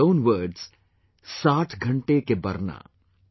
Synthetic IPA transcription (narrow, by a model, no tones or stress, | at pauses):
oːnʋəːɾɖz̥ | saːʈʰɡʱɐ̃ɳʈekebɐɾna̰ː